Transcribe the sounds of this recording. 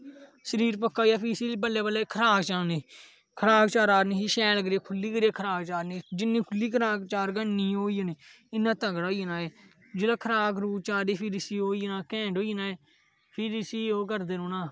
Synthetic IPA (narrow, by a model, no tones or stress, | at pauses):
səɾiːɾpəkːaːijaːpisiːbəlːeːbəlːeːkʰəɾaːkt͡ʃaːneː | kʰəɾaːkt͡ʃaːɾaːɾniːiːʃɛːləɡɾeːkʰʊlːiːɡəɾeːkʰəɾaːɡt͡ʃaːɾneːd͡ʒɪnːĩːkʰʊlːiːkʰəɾaːkt͡ʃaːɾɡəɳnːiːoːijəneː | ɪnːãːt̪əɡɽaoiːnaːeː | d͡ʒɪlaːkʰəɾaːkɾuːt͡ʃaːɾiːpʰɪɾɪsiːoːiːnaːkɛ̃ːɳɖoːiːnaːeː | pʰɪɾɪsiːoːkəɾd̪eːnoːnaː